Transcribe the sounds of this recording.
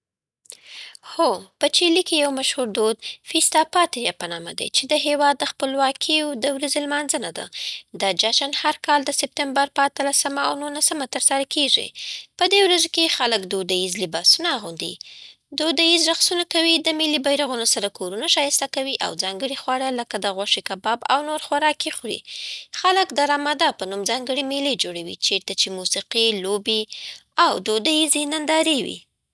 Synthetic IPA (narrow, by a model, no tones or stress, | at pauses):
xopət͡ʃilikejawmaʃhuɾd̪od̪fist̪ɑpɑt̪ɪɾjapənɑma̰d̪a̰jt͡ʃed̪əɦewɑd̪ːəxpəlwɑkʰijod̪əwɾazelmɑnzənad̪a̰d̪əd͡ʒaʃanhaɾkɑld̪əsɪp̚t̪ɪmbaɾpəat̪əlasəmaawnulasəmat̪əɾsaɾakʰeʐḭpəd̪ewɾazokexaləkd̪od̪ajizlɪbɑsunaːɣund̪ḭ | d̪od̪ajizɾaxsunakawid̪əmɪlibajɾaɣunosaɾakʰoɾunaʃɑjɪst̪akawiʔa̰wzɑŋɡəɽixwaɽaləkad̪əɣwaʂekabɑba̰wnoɾxwaɾɑkexɽḭxaləkd̪aɾɑmad̪ɑpənumzɑŋɡəɽemeled͡ʒoɽawḭt͡ʃeɾt̪at͡ʃemusiqilobeawd̪od̪ajizenand̪ɑɾewḭ